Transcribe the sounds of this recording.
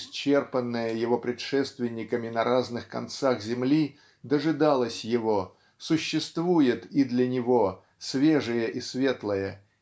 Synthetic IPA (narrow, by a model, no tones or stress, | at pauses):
sʲt͡ɕːe̞rpənːəjəjɪvo̞pɾʲɪt̪ʂɛst̪vʲɪnʲːɪkəmʲɪnɐɾaznɨxkɐ̰nt̪saxzʲɪmlʲi | d̪əʐɨd̪alˠəsʲjɪvo̞ | sʊɕːɪst̪vujɪt̪id̪lʲɐnʲɪvo | svʲeʐɨjəʔisvʲe̞t̪lˠəjə